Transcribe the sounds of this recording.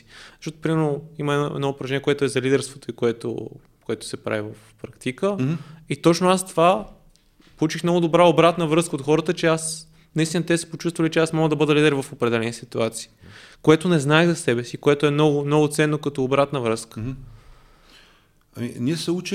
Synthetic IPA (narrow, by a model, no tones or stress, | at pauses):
i̥zɐ̥ʃt̪ot̪o̥pɾimɛɾnoiməɛɛ̰d̪nɔopɾɐʒɛnʲiɛkoɔɛt̪ʊɛzɐlid̪ɛɾst̪vot̪oikoɛt̪o̰ | koɛt̪oʊ̥sɛpɾa̰vivɐfpɾakt̪ikəit̪ɔt͡ʃnoast̪ova | polˠut͡ʃixmnɔɡʊd̪obɾaobɾat̪nəvɾɤskəot̪xɔɾət̪ət͡ʃɛas | nɐist̪inət̪ɛsɛ̥pot͡ʃust̪vɐlit͡ʃɛasmɔɡəd̪ɐbɤd̪əlid̪ɛɾvɐfopɾɛd̪ɛlɛnisit̪uat̪si̥ːkoɛt̪ʊnɛznaɛɣzɐsɛbɛsikoɛt̪oɛmnɔɡʊmnɔɡʊt̪sɛnːokɐt̪oːbɾat̪nəvɾɤskə̥ | ɐ̰miniɛsɛut͡ʃ